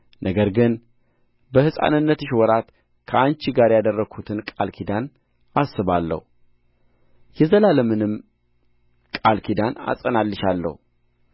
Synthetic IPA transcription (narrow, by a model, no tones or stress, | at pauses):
nʔəɡəɾɡɨn | bəhɨsʼa̰nɨnːət̪ɨʃwɔɾat̪ | kʰəant͡ʃiɡaɾjad̪ərːəɡʰut̪ʰɨnkʼalkʰid̪an | ʔasːɨβalːə̰hu | jɛzəlaləmɨnɨm | kʼalkʰid̪ana̰sʼənalːɨʃalːə̰hu